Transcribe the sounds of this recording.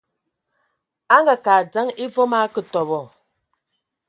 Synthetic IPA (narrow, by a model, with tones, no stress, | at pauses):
a˦ŋɡa˨kaː˨d͡za˦ŋi˦vo˦ma˦kə˦tɔ˨bɔ˨